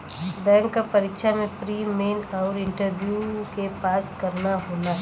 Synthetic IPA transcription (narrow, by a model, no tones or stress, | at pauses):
bɛ̃ːŋkːapɐɾɪkʃʰamẽpɾiːmeːnaːɾɪ̃ɳʈəɾbjukepaːskɐɾnaɦoːla